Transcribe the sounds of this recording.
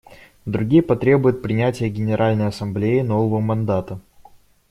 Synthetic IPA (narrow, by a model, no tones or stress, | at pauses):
d̪ɾʊɡʲijəpɐt̪ɾʲe̞bʊjɪt̪̚pɾʲɪnʲætʲɪjəɡʲɪnʲɪɾʔalʲnəjɐsɐmblʲejɪno̞vəvəmɐnd̪at̪ə